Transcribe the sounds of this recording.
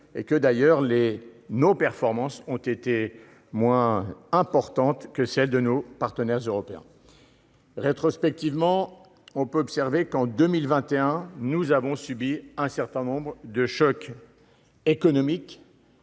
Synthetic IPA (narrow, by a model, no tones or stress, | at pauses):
ekəd̪ajœʁlenopɛʁfɔʁmɑ̃sɔ̃t̪et̪e | mwɛ̃ɛ̃pɔʁt̪ɑ̃t̪kəsɛld̪ənopaʁt̪ənɛʁzøʁɔpeɛ̰̃ | ʁet̪χɔspɛk̚t̪ivmɑ̃ | ɔ̃pøɔpsɛʁvekɑ̃d̪ømilvɛ̃t̪eɛ̃nuzavɔ̃sybiɛ̃sɛʁt̪ɛ̃nɔ̃bʁd̪əʃɔk | ekɔnɔmik